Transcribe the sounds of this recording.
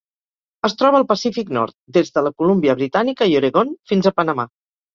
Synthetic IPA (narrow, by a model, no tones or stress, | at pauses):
əst̪ɾɔβəːlˠpəsifiknɔ̰ɾt̪̚d̪ezðələkulumbiəβɾit̪anikəiuɾəɣonfinzəpənəma̰